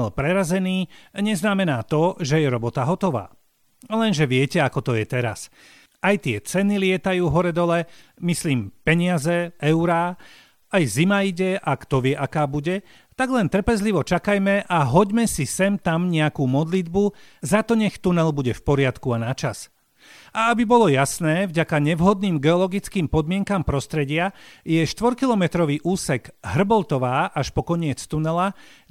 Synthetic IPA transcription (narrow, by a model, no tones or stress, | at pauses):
ɛlpɾɛɾazɛniːɲɛznamɛnaːt̪ɔʒɛjɛɾɔbɔt̪aɦɔt̪ɔʋa̰ː | lɛnʒɛʋɪɛcɛakɔt̪ɔjɛt̪ɛɾa̰s | ajt̪ɪɛt͡sɛnilɪɛt̪ajuːɦɔɾɛd̪ɔlɛmisliːmpɛɲɪazɛɛʊɾa | ajzimaiɟɛʔakt̪ɔʋɪɛʔakaːbuɟɛ | t̪aɡlɛnt̪r̩pɛzliʋɔt͡ʃakajmɛʔaɦɔɟmɛsisɛmt̪amɲɛakuːmɔd̪lid̪buzat̪ɔɲɛxt̪unɛlbuɟɛfpɔɾɪat̪kuanat͡ʃas | aabibɔlɔjasnɛːvɟakaɲɛʋɦɔd̪niːmɡɛɔlɔɡit͡skiːmpɔd̪mɪɛŋkampɾɔst̪ɾɛɟɪajɛʃt̪ʋɔɾkilɔmɛt̪ɾɔʋiːʔuːsɛɡɦr̩bɔlt̪ɔʋaːʔaʃpɔkɔɲɪɛt͡st̪unɛla